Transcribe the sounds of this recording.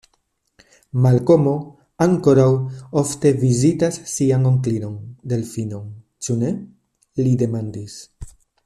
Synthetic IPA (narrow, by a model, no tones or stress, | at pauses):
malko̞mo̞ | aŋko̞ɾawo̞fte̞vizitasːiaŋo̞ŋklino̞nde̞lfino̞n | t͡ʃune̞ | lide̞mandis